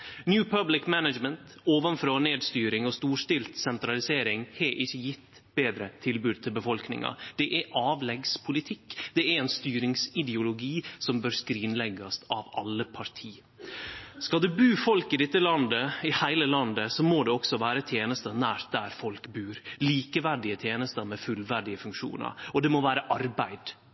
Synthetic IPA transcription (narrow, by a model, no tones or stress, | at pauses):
njʉːpʰɑblɪkmænəd͡ʒmənt̪ | oːʋənfɾoːneːd̪st̪yːɾɪŋɔst̪uːʂʈɪlt̪sɛnt̪ɾɑlɪseːɾɪŋhɛʔɪçːəjɪt̪ː | b̥eːd̪ɾət̪ʰɪlbʉːd̪̚t̪ʰɪlbəfɔlknɪ̰ŋɑ̰d̪̥ɛʔæʔɑːʋlɛɡspʰʊlɪt̪ʰɪkːd̪̥ɛæɾɛnst̪yːɾɪŋsɪd̪ɛʊlʊɡiːsɔmbøːɾskɾiːnlɛɡɑsɑʋɑlːəpʰɑɾt̪ʰiː | skɑld̪ʉbʉːfɔlkɪd̪ɛt̪ːəlɑnd̪əɪhæɪləlɑnd̪əsɔmod̪ɛɔksɔʋæːɾət̪ʰjeːnəst̪ənæːɾt̪̚d̪æɾfɔlkbʉːɾliːkəʋæɖɪət̪ʰjeːnəst̪əmɛfʉlʋæɖɪəfʉŋkʂṵːnə̰ɾɔd̪ɛmɔʋæːɾəʔɑɾbæɪd̪̥